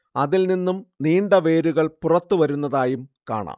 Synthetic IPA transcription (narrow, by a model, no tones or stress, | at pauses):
ɐðilninːumniːɳɖɐʋe̞ːɾuɣɐɭpurɐt̪ːuʋɐɾunːɐðaːjumka̰ːɳa̰ːm